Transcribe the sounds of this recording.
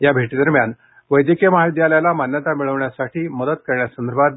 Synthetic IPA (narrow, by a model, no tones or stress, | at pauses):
jabʱeʈiːd̪əɾmjan | ʋəjd̪ikemɦajd̪ijaljalamanjət̪amiɭəʋɳjasaʈʰiːməd̪ət̪̚kəɾɳjasənd̪əɾbʱat̪